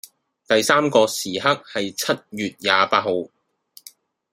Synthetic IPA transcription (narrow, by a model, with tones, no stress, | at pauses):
t̪ɐ˨jsaː˥mkɔː˧siː˨ɦɐ˥k̚hɐ˨jt͡sʰɐ˥t̚jyː˨t̚jaː˨paː˧t̚ho˨˧w